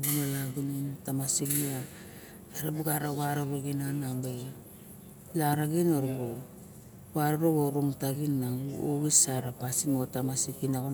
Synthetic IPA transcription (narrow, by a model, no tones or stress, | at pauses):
ɡunalaɡunintamasiknia | aɾabuɡaɾawaɾoɾoɡinanabe | laɾaɡinoɾbo | waɾoɾoɡoɾoŋtaɡinːauoɡisaɾapasiŋotamasikinaɡo